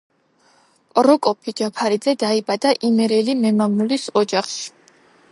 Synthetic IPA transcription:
pʼɾɔkʼɔpʰid͡ʒapʰaɾid̪zɛd̪aibad̪aʔimɛɾɛlimɛmamnulisɔd͡ʒaχʃi̥

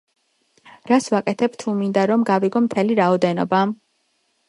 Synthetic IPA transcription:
ɾasvakʼɛt̪ʰɛbt̪ʰumind̪aɾɔmɡaviɡɔmt̪ʰɛliɾaɔd̪ɛnɔ̰ba

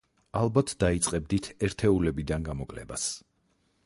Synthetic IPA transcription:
alˠbat̪ʰd̪̥ait̪sʼqʼɛb̚d̪it̪ʰɛɾt̪ʰɛulɛbid̪anɡamɔkʼlɛ̰ba̰s

